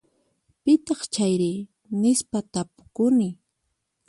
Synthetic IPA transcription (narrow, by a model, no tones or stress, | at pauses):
pɪt̪ɑχt͡ʃajɾɪ | nɪspat̪apʊ̥kʊnɪ